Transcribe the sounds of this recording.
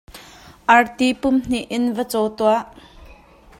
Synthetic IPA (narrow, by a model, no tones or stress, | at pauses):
ʔɐrt̪ipʊmn̥iʔɪnvət͡sɔwt̪uaʔ